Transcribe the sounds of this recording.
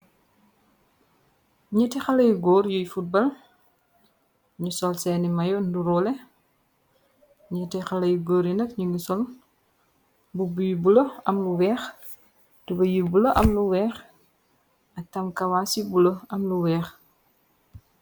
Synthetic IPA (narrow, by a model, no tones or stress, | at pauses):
ɲɐtɛxɐlɐjɡɔːɾjujfut̚bɐl | ɲusɔlsɛːnimɐjɔnduɾɔlɛ | ɲɐtɛxɐlɐjuɡɔːɾjunɐkɲuŋɡisɔl | bubujubuloɐmluwɛːx | d̥ubɐjibuloʔɐmluwɛːx | ɐk̚tɐmkɐwaːsibuloɐmluwɛːx